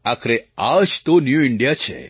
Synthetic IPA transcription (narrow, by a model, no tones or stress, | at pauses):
akʰɾeaʃt̪onjuɪɳɖijat͡ʃʰḛ